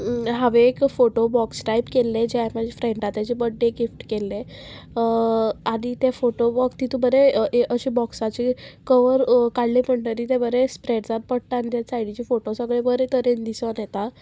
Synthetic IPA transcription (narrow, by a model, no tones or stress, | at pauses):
ɦaʋeːkfoʈobɔksʈajpkelːed͡ʑeamad͡ʑefɾeɳʈat̪jat͡ɕebəɖːeɡifʈkelːe | aɽ̃it̪efoʈobɔkt̪it̪ũbəɾeʔeʔəɕibɔksat͡ɕikəʋəɾkaɽlem̤əɳʈəɾit̪ebəɾespɾeɖd͡zat̪̚pəɽt̪aːnit̪jasajɽit͡ɕifoʈosəɡɭebəɾet̪əɾend̪isanjet̪a